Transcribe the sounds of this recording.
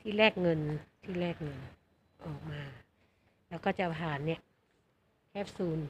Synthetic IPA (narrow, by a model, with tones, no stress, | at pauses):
t̪ʰiː˥˩lɛː˥˩k̚ŋɤ˧nt̪ʰiː˥˩lɛː˥˩k̚ŋɤ˧n | ʔɔː˨˩k̚maː˧ | lɛː˦˥wkɔː˥˩t͡ɕa˨˩pʰaː˨˩nːi˦˥˩ə | kʰɛː˦˥˩p̚suː˧n